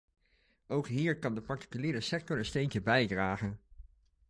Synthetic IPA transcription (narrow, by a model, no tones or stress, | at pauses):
owkɦiːɹkɑndəpɑɹti̥kyliːɾəsɛk̚tɔnənstejncəbɛjdraːχən